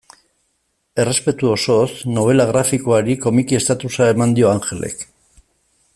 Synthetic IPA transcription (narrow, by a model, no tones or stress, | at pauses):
e̞re̞spe̞t̪uo̞so̞sno̞β̞e̞laɣɾafikoaɾiko̞mikie̞st̪at̪usae̞mand̪io̞aŋxe̞le̞̰k